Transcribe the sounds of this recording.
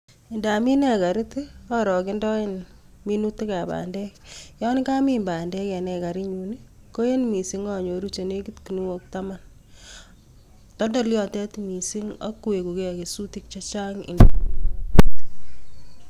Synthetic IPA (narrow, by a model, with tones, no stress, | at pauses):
ɪ˨nda˨mi˦nɛ˦˨ka˨ɾi˦tɔ˦ɾɔ˨kɪ˦ndɔ˦ɪ˦n | mi˦nu˦ti˦ka˨ba̰ː˨ndɛ˦kjɔ˦nka˦mi˨mba˨ndɛ˦kɛ˨nɛ˨ka˨ɾi˦ɲu˨ni˦ | ko˦je˦nmi˨si˨˦ŋɔ˦˨ɲo˨ɾu˦t͡ʃe˨ne˦ki˦tki˨nu˦wo˦k̚ta˦ma˦n | tɔ˦dɔ˦ljɔ˨tɛ˦tmi˨si˦ŋɔ̰˦kːu˦we˨ku˨ke˦˨ke˨su˦ti˦k̚t͡ʃɔ˦t͡ʃa˦ŋɪ̰˨ndo˨